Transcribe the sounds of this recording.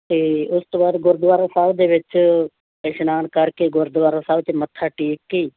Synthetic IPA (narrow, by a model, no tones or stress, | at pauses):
t̪eːʊst̪ːbaːd̪ɡʊɾd̪ʋaːɾãːsaːʋd̪eːʋɪt͡ʃ | peːʃnaːnkəɾkeːɡʊɾd̪ʋaːɾãsaːbt͡ʃemət̪ʰːaːʈiːkːiː